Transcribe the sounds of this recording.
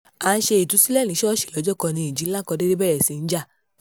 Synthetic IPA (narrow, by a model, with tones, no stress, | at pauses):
a˨˧n̩˦ʃe˧i˨tu˨˧˦si˦lɛ˦˨lĩ˨˦ʃɛ˦ɔ˦˨ʃe̥˨lɔ˨˧d͡ʒɔ˦kɔ˧nĩ˧i˨d͡ʒi˨˦la˦kɔ˧de˦ɾe˦bɛ˦ɾɛ˨si˨˧n̩˦d͡ʒa˦˨